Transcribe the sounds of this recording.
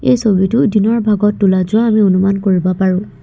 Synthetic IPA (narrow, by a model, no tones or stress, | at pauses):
ḛjsoɹitʊdinɔɹbʱaɡɔtːulazʊwaːmionumankoɹibɔpaɹʊ̃